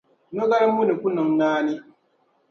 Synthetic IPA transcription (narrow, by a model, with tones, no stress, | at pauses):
nɔ˦ɡa˦ɾa˦mu˦ni˨ku˦na˨ŋ˦naː˦ni˦